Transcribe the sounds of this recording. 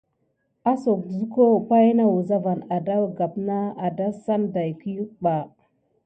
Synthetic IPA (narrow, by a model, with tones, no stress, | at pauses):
a˦so˨kzu˦ko˦pa˦jna˦wu˨za˦va˨na˨da˦˨ɡa˨pna˦a˨da˦sa˦nda˨jki˦ɓa˨